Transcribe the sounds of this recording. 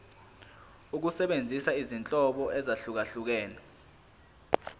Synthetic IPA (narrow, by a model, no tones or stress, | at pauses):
uk̬usɛɓend͡zʱisaizint͡ɬʼɔɓɔʔɛzaɬuk̬aɬuk̬ɛːnɛ